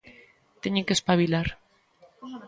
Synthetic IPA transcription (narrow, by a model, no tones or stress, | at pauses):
t̪eɲekespaβilaɾ